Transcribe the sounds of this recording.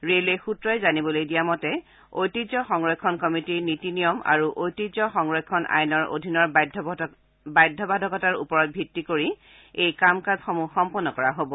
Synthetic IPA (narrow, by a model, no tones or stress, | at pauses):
ɹelejxutɹɔjzanibɔlojdijamɔtɛ | ojtizɔxɔŋɹɔkʰːɔnkɔmitiɹnitinijɔma̰ɹuʔojtizɔxɔŋɹɔkʰːɔnʔa̰jnɔɹo̰dʱinɔɹdʱ | bajdʱːɔbʱadʱɔkɔtaɹṵpɔɹɔt̚bʱitːikoɹi | ejkamkazxɔmuxɔmpɔnːɔkɔɹaɦobɔ